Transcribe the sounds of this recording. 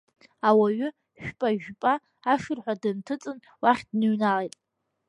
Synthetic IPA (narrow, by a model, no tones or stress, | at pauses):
awaɥʏ | ʃᶣpʼaʒᶣpʼaː | ʂɨrħʷadɨntʰɨt͡sʼɨn | waχʲdnɨɥnalejtʼ